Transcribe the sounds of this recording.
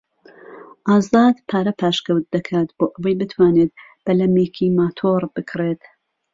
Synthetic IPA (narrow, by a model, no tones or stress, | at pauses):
ʔaːzaːd̪pʰaːɾɐpʰaːʃkɐwt̪̚d̪ɐkʰaːt̪boːʔɐwɐjbɨt̪ʰwaːnet̪̚ | b̥ɐlɐmeːkʰimaːt̪ʰoːɾbɨkʰɾeːt̪